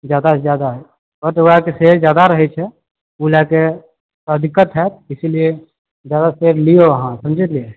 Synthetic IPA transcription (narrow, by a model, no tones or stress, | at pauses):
d͡ʒjaːd̪azjaːd̪aɦɛ | pət̪akeseːɾd͡ʒjaːd̪aɾɐɦet͡ʃʰɛ | ulɛːke | əd̪ʱɪkət̪ɦɛt̪ɪsilie | zjaːd̪aseːɾlijoʋɐɦãsɐmd͡ʒʱət̪le